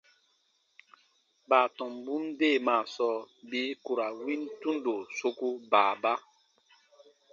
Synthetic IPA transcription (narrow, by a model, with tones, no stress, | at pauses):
baː˨tɔ̃˨mbu˦mde˦˨maː˨sɔ˨˦bi˦ku˨ɾa˨wĩ˦ntũ˦ndo˨so˦ku˦baː˨ba˦